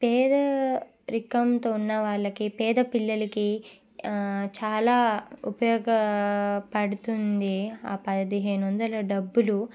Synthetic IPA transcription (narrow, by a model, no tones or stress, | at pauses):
pɛːd̪ɐ | ɾikɐmt̪oːunːɐʋaːɭːɐkipɛːd̪ɐpilːɐlɐki | t͡ʃaːlaːupɐjɔːɡɐpɐɽut̪und̪iaːpɐd̪iɦeːnond̪ɐlɐɖɐbːulu